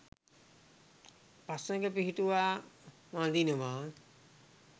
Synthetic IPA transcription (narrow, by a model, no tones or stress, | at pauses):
pasəŋɡəpiɦiʈuʋaː | mãd̪inəʋaː